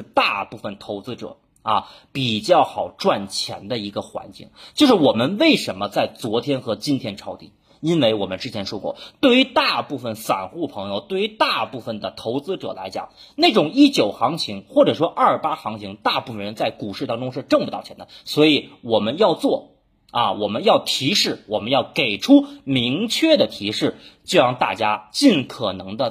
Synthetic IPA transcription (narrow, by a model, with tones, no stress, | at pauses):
ʂ̩˥˧t̪a˥˧pu˥˩fə˨˩nt̪ʰo˧˥ʊt͡sɹ̩˥ʈ͡ʂɤ̰˨˩˦ | ɐ˧pi˨˩t͡ɕjɑ˥˩ʊxɑ˨˩ʊʈ͡ʂwa˥˩nt͡ɕʰjɛ̰˧˥nd̪ə˧i˧˥ɡə˧xwa̰˧˥nt͡ɕḭ˥˩ŋt͡ɕjo˥˧ʊʂɻ̩˥˩wɔ˨˩mə˦nwe˥˩ɪʂə˧˥nmə˧t͡sa˥˩ɪt͡swɔ˧˥t̪ʰjɛ˥nxɤ˧˥t͡ɕi˥nt̪ʰjɛ˥nʈ͡ʂʰɑ˧˥ʊt̪ḭ˨˩ | i˥nwe˥˩ɪwɔ˨˩mə˦nʈ͡ʂɻ̩˥t͡ɕʰjɛ˧˥nʂwɔ˥kwɔ̰˥˩t̪we˥˩ɪy˧˥t̪a˥˧pu˥˩fə˩nfa̰˨˩nxu˥˩pʰɤ˧˥ŋjo˧ʊt̪we˥˩ɪy˧˥t̪a˥˧pu˥˩fə˨˩nd̪ə˩t̪ʰo˧˥ʊt͡sɹ̩˥ʈ͡ʂɤ̰˨˩la̰˧˥ɪt͡ɕjɑ̰˨˩ŋne˥˩ɪʈ͡ʂʊ˨˩ŋi˥˩t͡ɕjo˨˩ʊxɑ˧˥ŋt͡ɕʰi˧˥ŋxwɔ˥˩ʈ͡ʂɤ˨˩ʂ̬wɔ˥ʔɐ˥˩pa˥xɑ˧˥ŋt͡ɕʰi˧˥ŋt̪a˥˧pu˥˩fə˨˩ɻə˧˥nt͡sa˥˩ɪku˨˩ʂɻ̩˥˩t̪ɑ˥ŋʈ͡ʂʊ˥ŋʂ̬ɻ̩˥˧ʈ͡ʂɤ˥˩ŋpt̪ɑ˥˩t͡ɕʰɛ˧˥nd̪ə˧swɔ˧˥i˨˩wɔ˨˩mə˦njɑ˥˧ʊt͡swɔ˥˩ | ɐ˧wɔ˨˩mə˦njɑ˥˩ʊt̪ʰi˧˥ʂɻ̩˥˩wɔ˨˩mə˦njɑ˥˩ʊke˨˩ɪʈ͡ʂʰu˥mi˧˥ŋt͡ɕʰɥɛ˥˩d̪ə˩t̪ʰi˧˥ʂɻ̩˥˩t͡ɕjo˥˧jɑ˥˧ŋt̪a̰˥˩t͡ɕja˥t͡ɕi˥˩nkʰɤ˨˩nɤ˧˥ŋd̪ə˧